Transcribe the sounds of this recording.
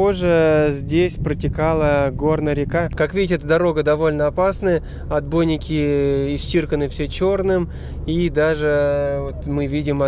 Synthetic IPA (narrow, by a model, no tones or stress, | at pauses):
oʐəzʲdʲesʲpɾətʲɪkalˠəɡo̞rnəɾʲɪkakakvʲidʲɪtʲɪɛt̪əd̪ɐɾo̞ɡəd̪ɐvo̞lʲnəɐpasnəjə | ɐd̪̚bo̞jnʲɪkʲɪɪst͡ɕirkənɨfsʲet͡ɕo̞rnɨm | id̪aʐɨvot̪mɨvʲidʲɪmɐ